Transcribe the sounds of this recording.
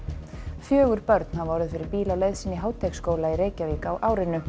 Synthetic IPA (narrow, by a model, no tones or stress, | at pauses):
fjœːɣʏɾpœɾt̪nhavɔɾðʏfɪɾɪɾpiːlawlejðsɪniɦaːwt̪ʰɛkskoːwlaiɾeːjcaviːkːwʔaːwɾɪnʏ